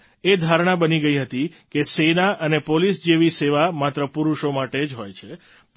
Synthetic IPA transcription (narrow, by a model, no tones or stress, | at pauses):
ed̪ʱaɾɳ̃abəniɡəiɦət̪ikesenaʔənepolisd͡ʒeʋiseʋamat̪ɾəpuɾuʃomaʈed͡ʒɦojt͡ʃʰe | p